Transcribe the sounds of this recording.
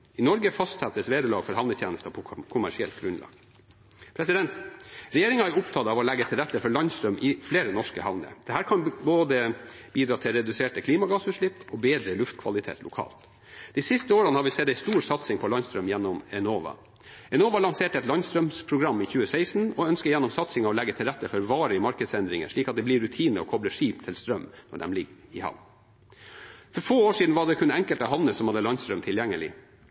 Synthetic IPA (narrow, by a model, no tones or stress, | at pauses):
ɪnɔɾɡəfɑst̪sɛt̪ːəsʋeːd̪əɭɑ̰ːɡfɔɾhɑʋnət̪ʰjeːnəst̪əpʰɔkʰʊmæ̰ʂɪɛ̰lt̪̚ɡɾʉnlɑ̰ːɡ̥ | pʰɾɛsɪd̪ɛnt̪ɾɛjeːɾɪŋɑæʊpt̪ʰɑːd̪ɑːʋɔlæɡːət̪ʰɪlɾɛt̪ːəfɔɭɑnst̪ɾœmʔɪfleːɾənɔʂkəhɑʋnə̰d̪̥ɛhæːɾkʰɑnboːd̪ə | biːd̪ɾɑːt̪ʰɪlɾɛd̪ʉseːʈəkʰliːmɑɡɑːsʉʂɭɪpːɔbeːd̪ɾəlʉft̪kʰʋɑ̰lɪt̪ʰḛːt̪lʊkʰɑ̰ːlt̪ | d̪̥iɪsɪst̪əoːɾənəhɑɾʋɪsɛt̪ːæɪst̪uːɾsɑt̪sɪŋpʰɔlɑnst̪ɾœmjɛnːɔmɛnoːʋɑ̰ | ɛnoːʋɑlɑŋseːʈəɛt̪lɑnst̪ɾœmspʰɾʊɡɾɑmːɪçʉːəsæɪsn̩ɔœnskəjɛnːɔmsɑt̪sɪŋɑʋɔlɛɡət̪ʰɪlɾæt̪ːəfɔɾɔʋɑːɾəɪmɑɾkəd̪sɛnd̪ɾɪŋə̰ʂɭiːkɑt̪̚d̪ɛblɪɾʉt̪ʰiːnəɔ̰kʰɔbləʂiːpt̪ʰɪlst̪ɾœmːnɔ̰ɖɛ̰mlɪɡɪhɑ̰ʋn | fɔɾfoːoːʂiːd̪n̩ʋɑɖɛkʰʉnɛŋkəlt̪ɔɦɑʋnəsɔmhɑd̪ːəlɑnst̪ɾœmt̪ʰɪljɛŋːəlɪ̰